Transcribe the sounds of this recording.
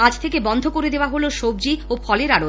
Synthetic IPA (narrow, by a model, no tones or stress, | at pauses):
ad͡ʑt̪ʰekebɔnd̪ʱokoɾed̪eoaɦoloʃob̚d͡ʑiofʰɔleɾaɽo